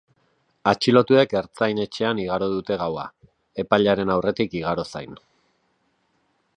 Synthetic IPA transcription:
at͡ʃilo̞t̪ue̞ke̞ɾt͡sajne̞t͡ʃe̞aniɣaɾoðut̪e̞ɣ̞awa | e̞paʎaɾe̞nawre̞t̪ikiɣ̞aɾo̞sajn

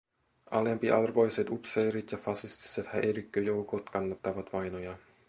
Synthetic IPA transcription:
ʔɑ̰lempiʔɑ̰lrbojset̪upsejɾit̪jɑfɑsist̪i̥set̪hæʔeɾykːøjowkot̪kɑnːɑt̪ːɑʋɑt̪ʋɑjnojɑ

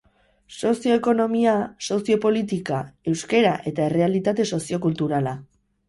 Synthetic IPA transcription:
so̞sjo̞eko̞no̞miaso̞sio̞po̞lit̪ikae̞wske̞ɾaʔe̞t̪aere̞alit̪at̪e̞so̞sio̞kult̪uɾala

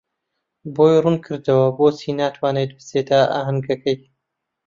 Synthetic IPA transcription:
boːjrunkʰɨɾd̪ɐwɐboːsinaːt̪ʰwaːnet̪̚bɨseːt̪aʔa̰ɦɐnɡɐkɐj

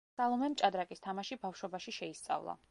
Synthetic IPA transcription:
salˠɔmɛmt͡ʃʼad̪ɾakʼist̪ʰamaʃibafʃwɔbaʃiʃɛist̪sʼa̰vlˠa̰

